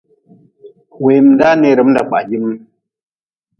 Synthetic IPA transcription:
we˨m˨da˦ne˦˨ɾə˨˦m˦da˨k͡pa̰˨ʔɡi˦m˦n

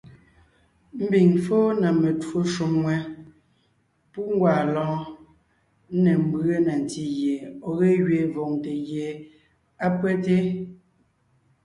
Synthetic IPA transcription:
m̩˦bi˨ŋfoː˦na˨me˨two˦ʃu˨mwɛ˦ | pu˦ŋ̩˦ɡwaː˨lɔ̃ː˨˦ | nɛ˨m̩˦be˦na˨n˨ti˦ɣje˨ɔ˨ɣe˦ɣɥe˨vɔ˨ŋte˨ɣje˨ | a˦pwɛ˦te˦

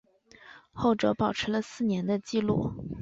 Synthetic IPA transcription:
xo˥˩ʊʈ͡ʂɤ˧˥pɑ˨˩ʊʈ͡ʂʰɻ̩˧˥lə˧sɹ̩˥˩njɛ˧˥nd̪ə˧t͡ɕi˥˧lṵ˥˩

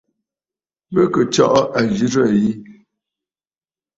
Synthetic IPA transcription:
bə˦kə˨t͡ʃɔ̰˦ʔɔ˦ʔa˨d͡ʒi˦ɾə˦˨ji˦

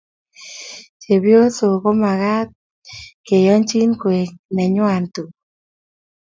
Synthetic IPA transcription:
t͡ʃe˨bjo˦so˨ko˦ma˨ka˦t̪̚ | ke˨jɔ˦nt͡ʃi˦nkwe˨knɛ˨ɲʊ˦a˨ntu˨

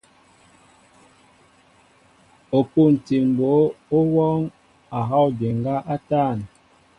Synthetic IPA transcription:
o˨pu˦˨n̩˨ti˨m˨bo˨˦o˦wɔ˦ŋ | a˨ɦɔ˦˨di˨ŋɡa˦ʔa˦taː˦˨n

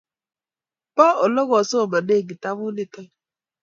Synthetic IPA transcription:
pɔ˦ɔ˨lɔ˦ɡɔ˨so˦˨ma˨ne˦˨ɡi˨ta˦mu˦li˦tɔ˦

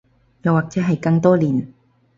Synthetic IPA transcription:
jɐ˨˧waː˨˩k̚t͡sɛː˨˥ɦɐ˨jkɐ˧ŋt̪ɔː˥liː˨˩n

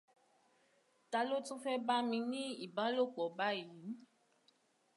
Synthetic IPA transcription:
ta˧lo˦tũ˦fɛ˦ba˦mĩ˧nĩ˦i˨ba˦lo˦˨k͡pɔ˨ba˦ji˨˦n˦

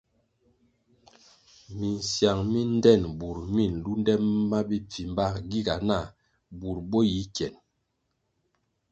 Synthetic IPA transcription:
mi˨n˨sja˨ŋmi˦n˦dɛ˦˨nbu˨ɾmi˦˨n˨lu˦ndɛ˦mːma˦bi˦p͡fi˨mba˦kɡi˦ɡa˨na˦˨ | bu˨ɾbo˦ji˨˦kjɛ˨n

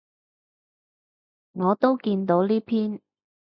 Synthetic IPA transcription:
ŋɔː˨˧t̪o˥wkiː˧nt̪o˨˥wliː˥pʰiː˥n

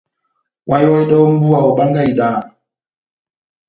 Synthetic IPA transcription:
wa˦jɔ˦ɛ˦dɔ˦m̩˦bu˦a˨ɔ˨ɓa˦ŋɡa˦i˨ɗaː˦˨

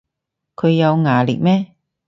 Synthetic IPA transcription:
kʰɵ˨˧ɥjɐ˨˧wŋaː˨˩lḭ˨˩k̚mɛː˥

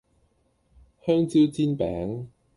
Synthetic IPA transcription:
hœː˥ŋt͡siː˥wt͡siː˥npɛ̰ː˨˥ŋ

